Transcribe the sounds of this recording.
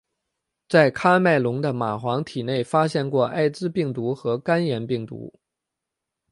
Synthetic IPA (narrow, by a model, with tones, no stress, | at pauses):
t͡sa˥˩ɪkʰa˥ma˥˩ɪlʊ˧˥ŋd̪ə˧ma˨˩xwɑ˧˥ŋt̪ʰi˨˩ne˥˩ɪfa˥ɕjɛ˥˧nkwɔ˥˧ʔa̰˥˩ɪt͡sɻ̩˥pi˥˩ŋt̪u˧˥xɤ˧˥ka˥njɛ˧˥npi˥˩ŋt̪ṵ˧˥